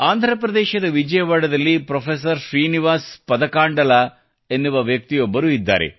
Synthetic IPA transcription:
aːnd̪ʱɾɐpɾɐd̪ɛːʃɐd̪ɐʋid͡ʒɐjɐʋaːɽɐd̪ɐlːipɾɐfʰes̬ɐɾʃɾiːniʋaːspɐd̪ɐkaːɳɖɐla | enːuʋɐʋjɐk̚t̪ijɔbːɐɾuid̪ːa̰ːɾḛ

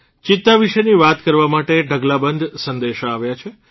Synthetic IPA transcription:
t͡ʃɪt̪ːaʋiʃəniʋat̪kəɾʋamaʈeɖʱəɡlabənd̪ʱsə̃nd̪eʃaaʋjat͡ʃʰe

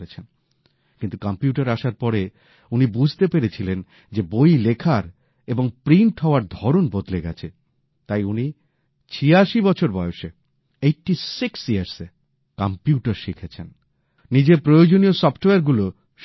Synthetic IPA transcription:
ɾet͡ɕʰen | kint̪ukampjuʈaɾaʃaɾpɔɾe | unibud͡ʑʱt̪epeɾet͡ɕʰilen | d͡ʑebojlekʰaɾ | eboŋpɾiɳʈɦɔoaɾd̪ʱɔɾonbod̪leɡɛ̰t͡ɕʰe | t̪ajuni | t͡ɕʰiaʃibɔt͡ɕʰoɾbɔeoʃe | ejʈisiksiaɾse | kampjuʈaɾʃikʰet͡ɕʰen | nid͡ʑepɾojod͡ʑoniosɔfʈoeaɾɡulo | ʃ

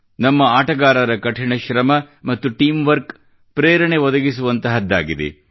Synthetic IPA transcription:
nɐmːɐaːʈɐɡaːɾɐɾɐkɐʈʰiɳɐʃɾɐmɐmɐt̪ːuʈiːmʋɐɾk | pɾeːɾɐɳe̞ʋɔd̪ɐɡisuʋɐnt̪ɐɦɐd̪ːa̰ːɡid̪ḛ

